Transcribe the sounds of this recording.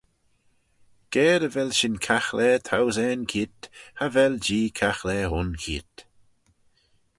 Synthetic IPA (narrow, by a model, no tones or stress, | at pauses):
ɡ̥ɛːɾəvɛlʃɪnkʰaxlɛːt̪ʰawzɛːnkʰiːt̪havɛld͡ʒiːkʰaxlɛʊnkʰḭːt̪